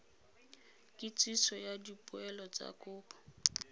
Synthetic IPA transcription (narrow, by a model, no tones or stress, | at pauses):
kʼɪt͡sʼisɔjadipʼʊɛlɔt͡sa̰kʼʊːpɔ̥